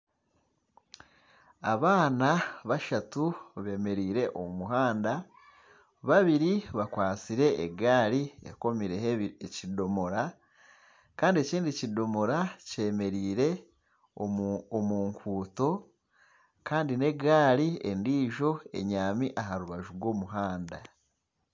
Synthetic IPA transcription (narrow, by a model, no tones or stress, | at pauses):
a̰βaːnaβaʃatuβe̞ːme̞ɾiːɾe̞ʔo̰mumuɦaːnda | βaβiɾiβakwaːt͡siɾe̞ʔːɡaːɾiḛko̞miɾe̞hecido̞moɾa | kaːndieciːndicido̞mo̞ɾace̞ːme̞ɾiːɾe̞ | oːmuːŋkʰuːto̞ | kaːndine̞ɡaːɾiendiːʒo̞e̞̰ɲaːmiʔaɦaɾuβaʒuɾɡwo̞ːmuɦaːnda